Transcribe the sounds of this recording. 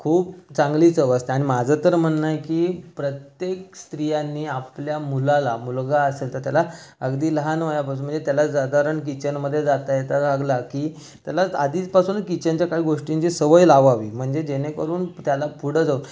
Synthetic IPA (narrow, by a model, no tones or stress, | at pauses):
kʰuːp̚t͡sãŋɡlit͡səʋəst̪eaɽ̃imad͡zʱət̪əɾm̤əɳːajkiːpɾət̪jekst̪ɾijanːiːapljamulalamulɡaəselt̪əɾt̪jalaəɡd̪iːləɦanʋəjapas̬uːnm̤əɳd͡zet̪jalad͡zad̪ʱaɾəɳkit͡ɕənməd̪ʱːjed͡zat̪ajet̪aɡaɡlakiː | t̪jalaad̪iːt͡spasuːnkit͡ɕaɲt͡ɕjakaɦiːɡoʂʈiɲt͡ɕiːsəʋəjlaʋaʋḭːm̤əɳd͡zed͡ʑenekəɾuːnt̪jalapuɽ̤əd͡zauːn